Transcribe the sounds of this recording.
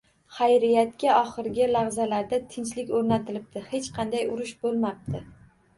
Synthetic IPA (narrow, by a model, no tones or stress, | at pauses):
χajɾɪjat̪̚kʲaɒχɨɾɡʲɪlaʁzalaɾd̪at̪ʰɪnt͡ʃlɪkʲɵɾnat̪ʰɪlɪp̚t̪ɪhe̞t͡ʃqʰɑnd̪ajʊɾʊʃbolˠmap̚t̪ʰɪ